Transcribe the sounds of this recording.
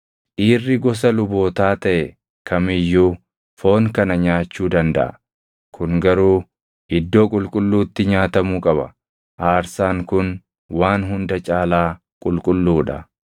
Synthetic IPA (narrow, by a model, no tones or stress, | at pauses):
ʔiːrːɪɡɔs̬ɐlʊbo̞ːt̪aːt̪ɐʔɛ | kʰɐmɪjːuː | fo̞ːŋkɐnɐɲaːt͡ʃːuːd̪ɐnd̪ɐ̰ʔɐ | kʰʊŋɡɐɾuː | ʔɪd̪ːo̞ːkʼʊlkʼʊlːuːt̪ːɪɲaːt̪ɐmuːkʼɐbɐ | ʔaːɾsaːŋkʊn | waːnɦʊnd̪ɐt͡ʃʼaːlaː | kʼʊlkʼʊlːuːᶑɐ̰